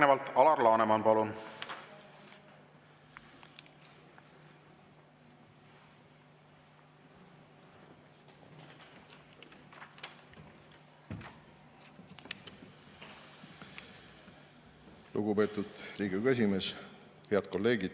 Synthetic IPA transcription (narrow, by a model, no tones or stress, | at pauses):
nevɑlt̪ɑlɑrlɑːnemɑnpɑlun | lṵɡupe̞ːt̪ud̪̥riːɡiykes̬ʲime̞s | he̞ɑd̪̥ko̞lːe̞ːɡid̪̥